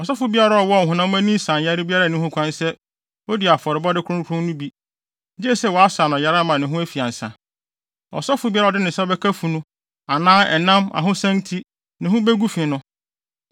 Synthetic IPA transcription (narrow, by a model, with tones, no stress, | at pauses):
ɔ˨sɔ˦fʊ˨˦bi˦a˦ɾa˨ɔ˨wɔ˦˨ɦʊ̃˨nã˦æ̃˦nĩ˦sã˨n˨ja˦ɾɪ˦bi˦a˦ɾa˦˨nĩ˦hʊ̃˦kʷʰã˦n˦sɛ˦ | o˦di˨a˨fɔ˨ɾɪ˨bɔ˦dɪ˦kʰʊ̃˦kʰɾʊ̃˦nʊ̃˦bi˦ | d͡ʒɪ˦ɛ˦sɛ˦wɔ˨a˦saː˨nʊ̃˨ja˨˦ɾa˦mã˨nɪ̃˨ɦʊ̃˦æ˦fi˨ã˨n̩˨sã̰˨ | ɔ̰˨sɔ˦fʊ˨˦bi˦a˦ɾa˨dɪ˦nɪ̃˨sɛ˦ɔ˦bɛ˦kʰa˦fu˨nũ˦ | a˨nãː˦ɛ̰˨nã˦ma̰˨ɦʊ̃˦sæ̃˦ntʰi˦ | nɪ̃˨ɦʊ̃˦bɛ˦ɡu˦fɪ̃˨nʊ̃˦